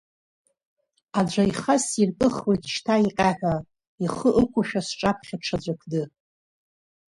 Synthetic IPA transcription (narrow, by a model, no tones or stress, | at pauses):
ad͡ʒʷaiχasirtʼɨχwejtʼʃtʰaiqʲʼaħʷᶣa | iχəʔəkʷʰʊʃᶣasʈ͡ʂʼapʰχʲaʈ͡ʂʰad͡ʒʷakʰdɨ